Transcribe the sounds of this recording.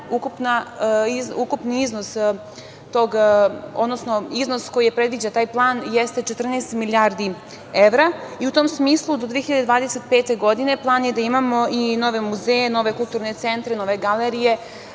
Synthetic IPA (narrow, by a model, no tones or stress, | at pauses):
ukupnaizukupniiznos | t̪oɡod̪nosnoizno̞sko̞jijepɾe̞d̪ʋid͡ʑat̪aːjplˠaːnjest̪e̞t͡ʃet̪r̩neːst̪milijaɾd̪i | eʋɾaiut̪o̞ːmsmiːslˠud̪od̪ʋeexiʎad̪ed̪ʋaːd̪eset̪peːt̪e̞ɡo̞d̪ine̞plˠaːnjed̪aimamo̞ino̞ʋe̞muzejeno̞ʋe̞kulˠt̪uːɾne̞t̪sent̪ɾeno̞ʋe̞ɡaleɾije̞